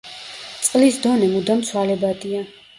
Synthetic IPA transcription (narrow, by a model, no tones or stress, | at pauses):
t̪sʼqʼlisd̪ɔnɛmud̪amt̪sʰwalɛbad̪ia